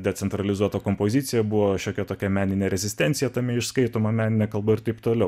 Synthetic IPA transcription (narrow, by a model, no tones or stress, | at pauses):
d̪ʲɛt͡ssʲɛnt̪ɾɐlʲɪzuɔt̪ɐkompoːzʲɪːt̪sʲɪjɛbʊʋoːʃʲoːkʲɛt̪oːkʲɛmʲæːnʲɪnʲeːɾʲɛzʲɪsʲt̪ʲɛnʲt̪ʲɪjɛt̪ɐmʲɛɪʃskɐɪt̪oːmɐmʲæːnʲɪnʲɛkɐlˠbɐɪɾt̪ɐɪpt̪oːlʲɛʊ